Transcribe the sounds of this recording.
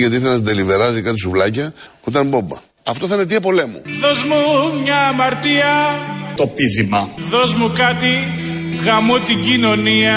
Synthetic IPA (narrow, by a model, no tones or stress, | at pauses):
ʝɐt̪iɾθenɐsind̪elive̞ɾɐzikɐt̪isuvlɐcɐot̪ɐmbobɐ̰ | ɐft̪oθɐinet̪̬iep̬o̞le̞mṵðo̞zmumɲɐːmɐɾt̪iɐt̪opiðimɐðozmukɐt̪iɣɐmot̪iɲɟino̞niɐ